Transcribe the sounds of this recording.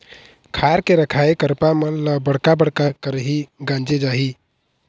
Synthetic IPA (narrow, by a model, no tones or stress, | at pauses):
kʰaɾkeɾəkʰaekəɾpamənləbəɽkabəɽkakəɾɦiɡãnd͡ʒed͡ʒaɦi